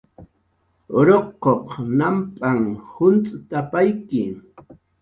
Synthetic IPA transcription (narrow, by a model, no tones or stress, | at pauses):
oɾoqːoqnampʼaŋhʊnt͡sʼt̪apajkɪ